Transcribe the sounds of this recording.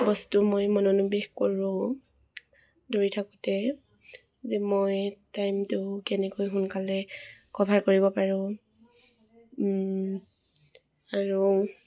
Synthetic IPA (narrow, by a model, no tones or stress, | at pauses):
bɔstumojmɔnɔnubexkoɹʊ̃ | doɹitʰakʊ̥tɛ | zɛmojtajmtʊkɛnɛkojɦʊnkalɛkɔbʱaɹkoɹibɔpaɹʊ̃ | aɹu